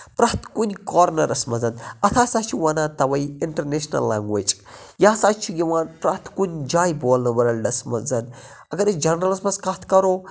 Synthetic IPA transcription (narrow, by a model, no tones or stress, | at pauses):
pɾat̪kunikɔɾnɐɾɐsmɐzɐnɐt̪ʰaːsaːt͡ʃʰiʋɐnaːt̪ɐʋɐjɪɳʈɐɾneʃnɐ̰lːa̰ːŋɡʋet͡ʃʼ | jaːsaːt͡ʃʰiɡiʋaːnpɾat̪ʰkunʲd͡ʒaːjboːlnɐʋɐɾɐlʲɖɐsmɐzɐn | ɐɡɐɾed͡ʒɐnɾɐlɨsmɐskɐt̪ʰkɐɾoː